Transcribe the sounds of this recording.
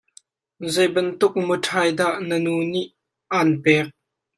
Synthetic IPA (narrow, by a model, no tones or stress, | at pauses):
zɛjbɐnt̪ʊk̚mətʰajd̪aʔnənuːniʔ | anpɛːk̚